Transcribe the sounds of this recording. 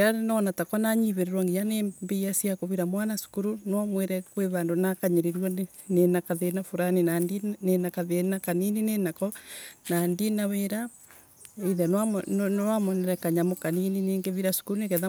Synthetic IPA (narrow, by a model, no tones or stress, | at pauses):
anɔnatakɔnaɲiβeɾeɾwaŋɡijanembeasjakoβiɾamwanasu̥kuɾunamweɾɛkweβandonakaɲeɾeɾwa | nenakaðenafuɾaninandinenakaðenakanininenakɔnandinaweɾa | eðɛnanɔwamɔnɛɾɛkaɲamokaninineːŋɡeβiɾasu̥kuɾunekɛða